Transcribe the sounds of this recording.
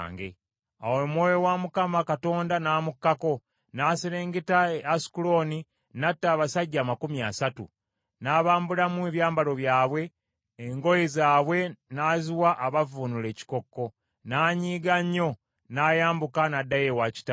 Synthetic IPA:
ŋɡḛ | awemwoːjowamukamakato̞ːndanaːmukːako̞ | naːseɾeːŋɡetaeasi̥kulo̞ni | natːaːβasaɟːaːmakumjasatṵ | naːβaːmbulamweβjaːmbalo̞βjaːβwe̞ː | ŋɡo̞jezaːβwe̞naːziwaʔaβavunule̞ːci̥ko̞kːo̞ | naːɲiːɡaɲːo̞ | naːjaːmbukanadːajewaci̥ta

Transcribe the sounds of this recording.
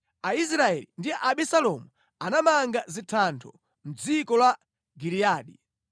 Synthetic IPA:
ais̬ɾaɛlindiʔaɓisalɔmu | anamaŋɡazitʰantʰɔ | m̩d͡zikɔlwa | ɡiɾiaːɗi

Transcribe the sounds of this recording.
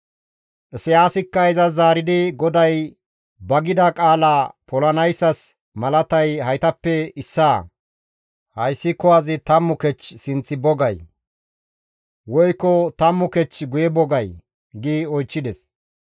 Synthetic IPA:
ʔɛsɪjaːsɪkːɐɪzɐzaːɾɪd̪ɪɡɔd̪ɐj | bɐɡɪd̪ɐkʼaːlaːpɔlɐnɐjsːɐs | mɐlɐt̪ɐjhɐjt̪ɐpːɛɪsːaː | hɐjsːɪkɔwazɪt̪ɐmːʊkɛt͡ʃːsɪnt͡sːɪbɔɡɐj | wɔjkːɔt̪ɐmːʊkɛt͡ʃːɡʊjɛbɔɡɐj | ɡɪɔjt͡ʃːɪd̪ɛs

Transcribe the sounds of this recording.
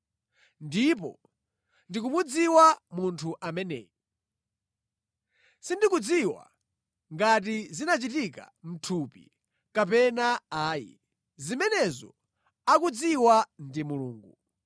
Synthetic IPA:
ndip̬ɔ̰ | ndik̬umud͡ziwamuntʰuʔamɛnɛ̰ːjɔ | sindikud͡ziwa̰ | ŋɡat̬izinat͡ʃitika̰m̩tʰupḭ | kap̬ɛnaaːjḭ | zimɛnɛzɔ̰ | akud͡ziwandimuluːŋɡu

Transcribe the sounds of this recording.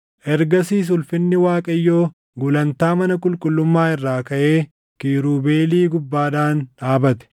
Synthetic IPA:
ʔɛɾɡɐsiːs̬ʊlfɪnːɪwaːkʼɐjːo̞ː | ɡʊlɐnt̪aːmɐnɐkʼʊlkʼʊlːʊmːaːɪrːaːkɐʔeː | kiːɾuːbeːliːɡʊbːaːd̪aːnᶑaːbɐt̪ɛ̥

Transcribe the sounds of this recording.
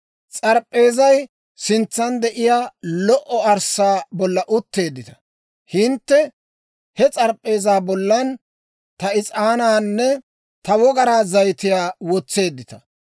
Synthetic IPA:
t͡sʼɐɾpʼːe̞ːzɐj | sɪnt͡sːɐnd̪ɛʔɪjaːlɔʔɔɐɾsaːbɔlːɐʔʊt̪ːe̞ːd̪ːɪt̪ɐ̥ | hɪnt̪ːɛ | hɛt͡sʼɐɾpʼːe̞ːzaːbɔlːɐn | t̪ɐɪt͡sʼaːnaːnːɛ | t̪ɐwɔɡɐɾaːzɐjt̪ɪjaːwɔt͡sːe̞ːd̪ːɪt̪ɐ̥

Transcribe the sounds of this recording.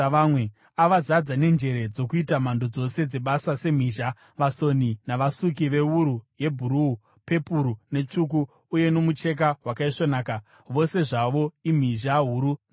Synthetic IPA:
amwe | aʋazad͡zane̞nd͡ʒe̞ɾe̞d͡zo̞kuitam̤andod͡zo̞se̞d͡ze̞ɓasase̞m̤iːʒa | ʋaso̞ninaʋasuk̬iʋe̞uɾuje̞bʱuɾuu | pe̞puɾune̞t͡ʂuk̬uː | je̞no̞mut͡ʃe̞k̬aɦwakaiʂonaːka | ʋo̞se̞ʐaʋo̞im̤iʒaɦuːɾun

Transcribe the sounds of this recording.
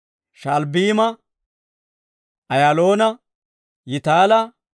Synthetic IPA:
ʃalbiːmɐ | ʔɐjaːlo̞ːnɐ | jɪt̪aːlɐ

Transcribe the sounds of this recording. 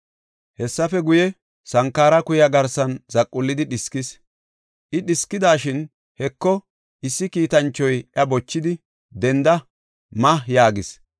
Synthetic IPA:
hɛsːɐfɛɡʊjɛ | sɐŋkːaːɾɐkʊjɐɡɐɾsɐnzɐkʼːʊlːɪd̪ɪɗɪskɪs | ʔɪɗɪskːɪd̪aːʃɪn | hɛkːɔ | ʔɪsːɪkiːt̪ɐnt͡ʃːɔjʔɐbɔt͡ʃːɪd̪ɪ | d̪ɛnd̪ɐ | mɐjaːɡɪs

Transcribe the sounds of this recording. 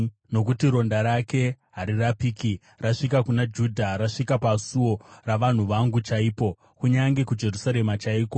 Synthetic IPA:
no̞k̬utiɾo̞ndaɾake̞ | ɦaɾirapiːki | raʂikakunad͡ʒudʱaɾaʂikapasuo̞raʋan̤uʋaŋɡut͡ʃaiːpo̞ | kuɲaŋɡe̞kud͡ʒe̞rusaɾe̞mat͡ʃaiːko

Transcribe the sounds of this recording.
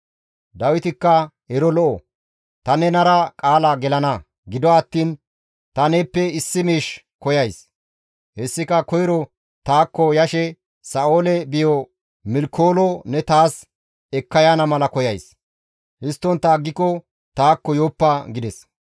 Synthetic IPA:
d̪ɐwɪt̪ɪkːɐ | hɛɾɔlɔʔɔ | t̪ɐnɛnɐɾɐkʼaːlɐɡɛlɐnɐ | ɡɪd̪ɔɐt̪ːiːn | t̪ɐneːpːɛɪsːɪmiːʃ | kɔjɐjs | hɛsːɪkɐkɔjɪɾɔ | t̪aːkːɔjɐʃɛ | sɐʔoːlɛbɪjɔ | mɪlkʰːo̞ːlɔnɛt̪aːs | ɛkːɐjanɐmɐlɐkɔjɐjs | hɪst̪ːɔnt̪ːɐɡːɪkːɔ | t̪aːkːɔjoːpːɐɡɪd̪ɛs

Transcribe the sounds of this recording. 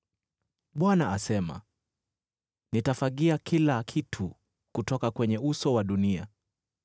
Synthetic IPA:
ɓwanaasɛma̰ | nitafaɠiakilakʰitʰu | kutɔkakwɛɲɛusɔwaɗunia̰

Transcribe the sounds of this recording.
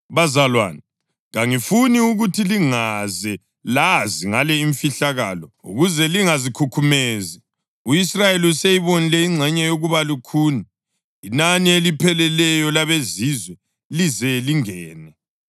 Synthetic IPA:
βazalwa̰ːni | ɣaŋifuniuɣutʰiliŋazɛ | laziŋalɛiɱfiɬaɣa̰ːlɔṵɣuzɛliŋazikʰukʰumezɛ | uisrajeliusejiβonilɛiŋ͡ǀʱɛɲɛjoɣuβalukʰuːni | inanielipʰɛlɛlɛjɔlaβezizwɛ | lizɛliŋɛːnɛ

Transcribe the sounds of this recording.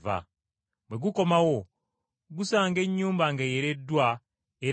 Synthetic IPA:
va̰ | bweɡuko̞mawo̞ | ɡusaːŋɡe̞ɲːuːmbaŋɡeje̞ɾe̞dːwa | eɾ

